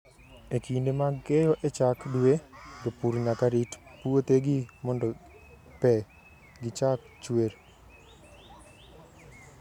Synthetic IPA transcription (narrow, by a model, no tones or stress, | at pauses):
ekindemaɡɛjɔʔet͡ʃakdued͡ʒɔpuɾɲakaɾitpuot̪eɡimɔndɔ | pɛ | ɡɪt͡ʃak | t͡ʃweɾ